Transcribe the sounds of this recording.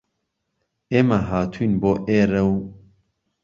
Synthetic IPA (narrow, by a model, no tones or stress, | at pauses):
eːmaɦaːt̪ʰunboːʔeːɾɐw